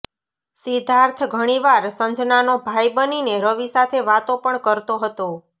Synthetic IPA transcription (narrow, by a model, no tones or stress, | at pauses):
sid̪ʱaɾt̪ʰɡʱəɽ̃iʋaɾsə̃nd͡ʒnanobʱajbənineɾəʋisat̪ʰeʋat̪õpəɳkəɾt̪oɦət̪o